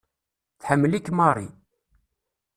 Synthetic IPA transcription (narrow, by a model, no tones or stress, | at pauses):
θħəmːəlikːmɑrˤɾˤḭ